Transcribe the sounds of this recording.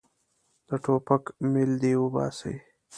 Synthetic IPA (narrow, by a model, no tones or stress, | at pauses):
d̪̥əʈʰopəkmɪld̪iʊbɑ̰ːsə̰j